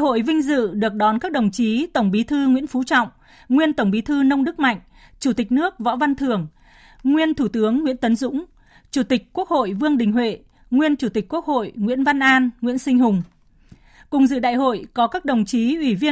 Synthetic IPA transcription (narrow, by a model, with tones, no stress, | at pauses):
o̰˧˨jvï˧ŋ̟zɨ̰˧˨ɗɨ˨˩ək̚ɗɔ˨˦nkaː˦˥k̚ɗə˨˩wŋ͡mt͡ɕi˨˦t̪ə˧˩wŋ͡mɓi˨˦t̪ʰɨ˧ŋwḭ˧˥nfu˨˦t͡ɕɔ̰˧˨wŋ͡m | ŋwi˧ənt̪ə˧˩wŋ͡mɓi˨˦t̪ʰɨ˧nə˧wŋ͡mɗɨ˦˥k̚ma̰˧˨jŋ̟ | t͡ɕu˧˩t̪ï˨˩k̟̚nɨ˦˥ək̚vɔ̰˧˥va˧nt̪ʰɨ˨˩əŋ | ŋwi˧ənt̪ʰu˧˩t̪ɨ˨˦əŋːwḭ˧˥ənt̪ə˨˦nzʊ̰˧˥ŋ͡m | t͡ɕu˧˩t̪ï˨˩k̟̚ku˦˥ək̚ho̰˧˨jvɨ˧əŋɗï˨˩ŋ̟ɦwḛ˧˨ | ŋwi˧ənt͡ɕu˧˩t̪i˨˩k̟̚ku˦˥ək̚ho̰˧˨jŋwḭ˧˥ənva˧nʔaː˧nŋwḭ˧˥ənsï˧ŋ̟ɦʊ˨˩ŋ͡m | kʊ˨˩ŋ͡mzɨ̰˧˨ɗa̰ː˧˨jɦo̰˧˨jkɔ˨˦kaː˦˥k̚ɗə˨˩wŋ͡mt͡ɕi˨˦ʔwi˧˩vi˧ə